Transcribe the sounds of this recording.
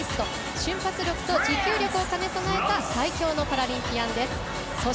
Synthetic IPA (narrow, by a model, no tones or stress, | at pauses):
ist̪o | ɕɨ̃mpat͡sɨɾʲo̞kɯ̟̥t̪o̞d͡ʑikʲɨːɾʲo̞kɯ̟o̞kane̞sonae̞t̪asaikʲo̞ːno̞paɾaɾʲĩmpʲiãnd̪e̞sɨ̥ | so